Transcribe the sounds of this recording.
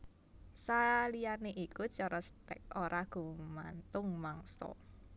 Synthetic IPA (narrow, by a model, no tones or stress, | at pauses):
salijaneʔikut͡ʃɔɾɔst̪ɛ̰k̚oɾaɡ̥ṳmant̪ʊŋmaŋsɔ̰